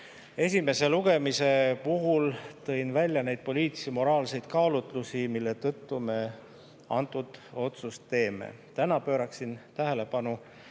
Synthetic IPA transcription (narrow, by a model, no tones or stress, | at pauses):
e̞sʲime̞se̞luɡ̥e̞mise̞puɦult̪ɤ̞jnvælʲːjɑne̞jd̪̥̚po̞lʲiːt̪simo̞ɾɑːlse̞jd̪̥kɑːlut̪ˑlusimilːe̞t̪ɤt̪ːume̞ | ɑ̰nt̪ːˑud̪̥o̞t̪sust̪ːe̞ːme̞̰ | t̪ænɑpø̞ːɾɑksint̪æɦele̞pɑnu